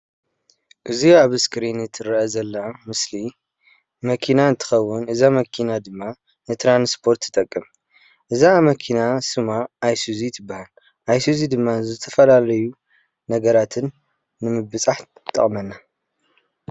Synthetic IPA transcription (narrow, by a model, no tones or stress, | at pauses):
ʔɨziaβɨskɾinɨt̪ʰɨɾʔzɐlːamɨsli | mɐkʰinaɨnt̪ʰɨ̥xɐwːʊnɨzamɐkʰinad̪ɨmːa | nɨt̪ʰɾanspʰo̞ɾt̪ʰːɨ̥t̪ʼɐkʼːɨm | ʔɨzamɐkʰinasɨmaːjsuzit̪ʰɨbːahal | ʔajsuzid̪ɨmːazɨt̪ʰɐfɐlalɐju | nɐɡɐɾat̪ʰɨnː | ɨmɨbɨt͡sʼaħ | t̪ʼɐ̰χʼmɐnːa